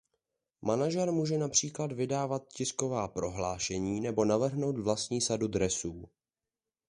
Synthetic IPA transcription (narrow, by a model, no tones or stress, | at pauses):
manaʒɛɾmuːʒɛnapr̝̥iːkladvɪdaːvat̪̚cɪsko̞vaːpɾo̞ɦlaːʃɛɲiːnɛbo̞navr̩ɦno̞wt̪vlast̪ɲiːsadud̪ɾɛsuː